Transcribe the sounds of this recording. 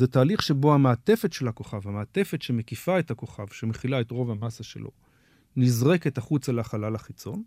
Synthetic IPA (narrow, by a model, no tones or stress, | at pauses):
zetaːliχʃe̞bo̞hamaːte̞fetʃelako̞χavhameːte̞fe̞tʃemekifaethako̞χavʃemeχilaetʁo̞vamasaʃḛlʔo̞̰ | nizʁe̞ke̞taχut͡saleaχalalaχit͡so̞n